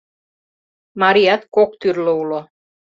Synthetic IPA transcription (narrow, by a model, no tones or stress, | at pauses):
mɑɾiɑt̪kokt̪yrloulo